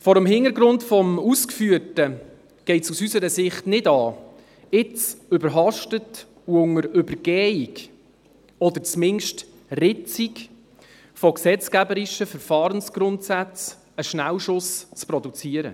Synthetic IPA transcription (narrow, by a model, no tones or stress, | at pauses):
fɔɾəmɦɪnəɾɡɾʊntfɔmuskfyːəɾtə | ɡ̥ɛɪtsusysəɾəsɪχtnɪdɑː | ɪt͡sʏbəɾɦɑʃtət | uʊŋəɾʏbəɾɡ̥ɛːik | ɔd̪əɾt͡smɪnʃt | rɪt͡sik | fɔksɛt͡skæbəɾɪʃəfəɾfɑːɾənsɡ̥ɾʊntsæt͡s | əʃnæwʃʊst͡spɾɔdut͡siːəɾə̰